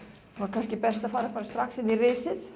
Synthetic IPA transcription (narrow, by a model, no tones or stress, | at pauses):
vaɾkʰanscɪpɛst̪afaːɾafaːɾast̪ɾaksɪnːirɪsɪð